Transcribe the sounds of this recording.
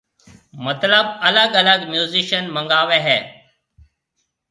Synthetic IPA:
mət̪ləbələɡələɡmjuːziʃənmə̃ŋɡaːʋeːɦɛː

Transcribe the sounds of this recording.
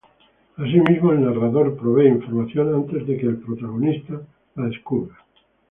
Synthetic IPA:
as̬imizmoelnaraðoɾpɾoβ̞eiɱfoɾmaθjonãnt̪e̞zðekeːlpɾot̪aɣ̞onist̪a | laðeskuɾβa

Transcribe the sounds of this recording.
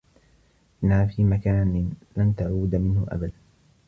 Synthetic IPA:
ʔɪnaːfiːmakaːnɪnlant̪aʕuːd̪mɪnhʊʔa̰bad̪an

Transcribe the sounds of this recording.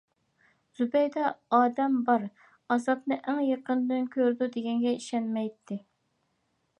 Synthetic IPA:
z̥ubɛjd̪ɛɑːd̪ɛmbɑɾ | ɑzɑpnɨʔæŋjeqənd̪ɨnkʲʰøɾd̪ud̪eɡʲɛŋɡʲɛiʃɛnmɛjt̪ʰːɪ

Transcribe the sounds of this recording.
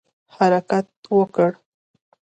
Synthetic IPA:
haɾakat̪̚wəkəɽ

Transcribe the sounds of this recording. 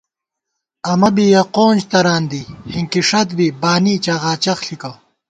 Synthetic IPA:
ɐmɐbijɐqoːnd͡ʑt̪ɐɾaːnd̪ihiŋkiʂɐt̪bibaːniːt͡ɕɐʁaːt͡ɕɐxɬikɐ

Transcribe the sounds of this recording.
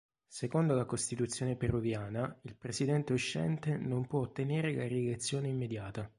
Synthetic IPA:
sekond̪olakost̪it̪ut̪sːjoːneperuvjaːnailpɾesid̪ɛnt̪euʃːɛ̰nt̪enompwɔot̪ːeneːɾelaɾilet̪sːjoːneimːed̪jaːt̪a

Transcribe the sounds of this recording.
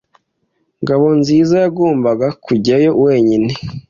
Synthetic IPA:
ŋɡaβo̞nziːzajaɡuːmbaɡakʰuɟiajo̞we̞ːɲini

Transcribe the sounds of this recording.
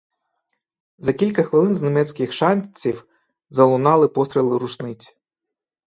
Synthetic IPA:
zɐkʲilʲkɐxʋɪlˠɪnznemɛt͡sʲkɪxʃɑnʲt͡sʲiw | zɐlˠʊnɑlˠɪpɔst̪ɾelˠɪɾuʃnɪt͡sʲ

